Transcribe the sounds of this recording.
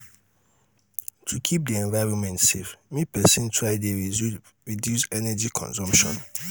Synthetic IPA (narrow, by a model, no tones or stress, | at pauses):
tʰukʰip̚diɛ̃nvaɹɔ̃nmɛ̃ntsefmĩpʰɛsĩntʰaɪdiɛ | ɹidjusɛnɛd͡ʒikʰɔ̰̃nsɔ̃mʃɔ̰̃n